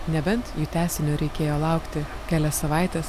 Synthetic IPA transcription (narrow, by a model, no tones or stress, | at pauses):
nʲɛbʲɛnt̪juːt̪ʲæːsʲɪnʲoːɾʲɛɪkʲeːjoːlˠɐˑʊkt̪ʲɪ | kʲæːlʲɛssɐʋɑˑɪt̪ʲɛːs